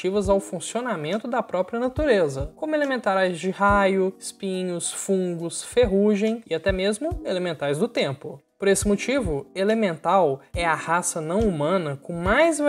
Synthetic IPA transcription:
ivɐzawfũsionamẽnt̪ʊd̪ɐpɾɔpɾiɐnat̪uɾezɐkõmʊelemẽnt̪aɾajzd͡ʒɪhajʊɪspĩɲʊsfũŋɡʊsfeɦuʒẽj̃ɪat̪ɛmezmʊelemẽnt̪ajzd̪ʊt̪ẽmpʊpoɾesɪmot͡ʃivʊelemẽnt̪awɛɐhasɐnɐ̃w̃umɐ̃nɐkõmajzva

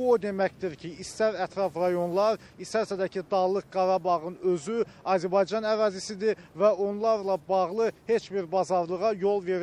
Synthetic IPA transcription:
buod̪e̞mæcd̪iɾcʰiːst̪æɾæt̪ʰɾɑfɾɑjo̞nlˠɑɾ | ist̪æɾsæd̪æcʰid̪ɑlˠɯk̚ɡɑɾɑbɑʁɯnøzyɑzæɾbɑjd͡ʒɑnæɾɑːzisid̪ivæo̞nlˠɑɾlˠɑbɑʁlˠɯhe̞t͡ʃbiɾbɑzɑɾlˠɯʁɑjo̞lˠveɾ

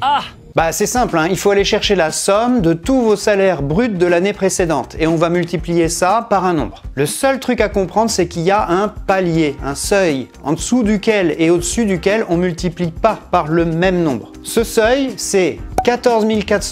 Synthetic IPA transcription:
a | basɛsɛ̃plɛ̃ilfoaleʃɛʁʃelasɔmd̪ət̪uvosalɛʁbʁyt̪̚d̪əlanepχesed̪ɑ̃t̪ʰeɔ̃vamylt̪iplijesapaʁɛ̃nɔ̃bʁləsœlt̪χykakɔ̃pχɑ̃d̪ʁəsɛkilijaʔɛ̃paljeɛ̃sœj | ɑ̰̃d̪əsud̪ykʲɛleod̪əsyd̪ykʲɛlɔ̃mylt̪iplipapaʁləmɛmnɔ̃bʁ | səsœjsɛkat̪ɔʁzmilkat̪χ

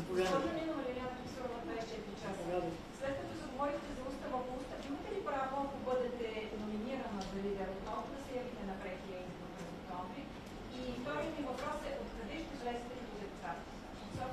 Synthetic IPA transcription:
ɔʒnonʲɛnomɐlʲilʲant̪vʲisoɾvɐd̪vaist͡ʃɛt̪iɾit͡ʃasɡ̪ | slɛt̪̚kət̪ɔsɛɡovɔɾixt̪ɛzɐust̪əvɐxoust̪əimət̪ɛlipɾavoɐkobɤd̪ɛt̪ɛːkonominiɾɐnəzɐlid̪ɛɾɐot̪ɔd̪ɐsɛjɐvit̪ɛnɐpɾɛxilɛd̪id̪opɾɛzok̚t̪ɔɱvɾiː | ft̪ɔɾid̪invɐpɾɔsɛʔot̪kɐd̪ɛʃt̪ɛʒɐlɛsi̥t̪ɛnid̪uzɛp̪ɛsat̪ | s

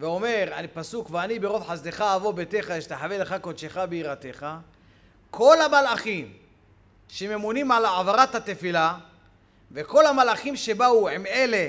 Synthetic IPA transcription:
veo̞me̞ʁapasukveanibeʁo̞vħazd̪e̞χaːvobet̪e̞χaʃe̥t̪aħaveleχakod̪ʃeχabeiʁat̪e̞χa | kʰo̞lamalaχim | ʃeme̞munimʕalʕavaʁat̪hat̪efila | veko̞lamalaχimʃe̞bauʕime̞le̞

